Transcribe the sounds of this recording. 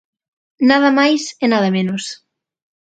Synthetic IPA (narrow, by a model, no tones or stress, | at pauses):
nað̞ɐmajsenaðɐmenos